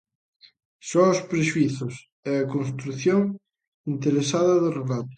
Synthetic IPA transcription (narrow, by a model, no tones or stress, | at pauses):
sɔʊspɾeʃuiθʊs | ɛɐkons̬t̪ɾuθjoŋ | int̪eɾesaðɐðɪrelat̪ʊ̥